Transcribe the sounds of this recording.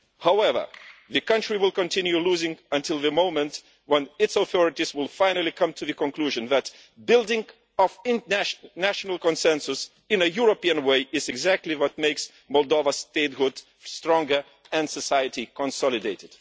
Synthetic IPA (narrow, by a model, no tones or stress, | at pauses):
haʊɛvə̰˞ðɨkʌ̃nt͡ʃɹ̥iwɪlˠkə̃ntʰɪ̃njuluzɪ̃ŋə̃ntʰɪlˠðɨmõʊ̃mə̃nt | wə̃nɨtsəθɔɹɨtizwɪlˠfãɪ̃nəlˠikʰʌ̃mtʰɨðɨkɔ̃nkl̥uʒɨ̃nðæt | bɪlˠdɪ̃ŋ | ʌvɪ̃nnæʃənəlˠkɔ̃nsɛ̃nsʊs | ɨ̃nɨjuɹopiɨ̃nweɪʔɪzɨɡzæk̚tʰliwʌt̚meɪks | mɔlˠdovəsteɪt̚hʊd̥ | stɹ̥ɔ̃ŋɡə˞ | ɨ̃nsəsaɪɨtikə̃nsɔlˠɨdeɪɾɨd̥